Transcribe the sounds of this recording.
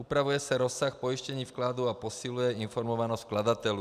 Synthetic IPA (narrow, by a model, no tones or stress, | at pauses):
upɾaʋujɛsaɾɔsːaxpɔiʃcɛɲiːfklad̪uapɔsilujɛinfɔɾmɔʋanɔsklad̪at̪ɛlu